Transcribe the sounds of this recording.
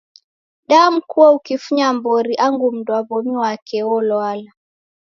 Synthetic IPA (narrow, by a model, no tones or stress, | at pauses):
ɗamukuwaukifuɲambɔɾiʔaŋɡum̩dwaβɔmiwakɛwɔlɔala